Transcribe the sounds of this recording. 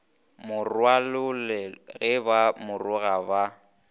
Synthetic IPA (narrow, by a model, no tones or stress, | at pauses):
mʊrwalʊlɛɣɛbamʊrʊɣaba